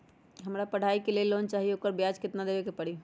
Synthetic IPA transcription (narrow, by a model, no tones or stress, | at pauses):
ɦəmɾapəɽ̤aikelelːont͡ʃaːɦijeokəɾbjad͡ʒkɪt̪nad̪ebekepəɽ̤i